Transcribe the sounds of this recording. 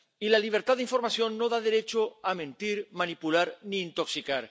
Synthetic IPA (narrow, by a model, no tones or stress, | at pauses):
ilaliβ̞eɾt̪aðiɱfo̞ɾmasjo̞nːoðaðe̞ɾet͡ʃoamẽ̞nt̪iɾmanipulaɾniːnt̪o̞ksikaɾ